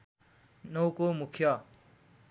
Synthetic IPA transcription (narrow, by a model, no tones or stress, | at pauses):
nʌwkomukʰjʌ